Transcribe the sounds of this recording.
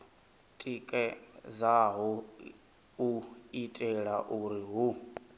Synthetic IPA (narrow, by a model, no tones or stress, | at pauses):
tʼikʼɛzaɦu | uitʼɛɺaʔuɾiɦu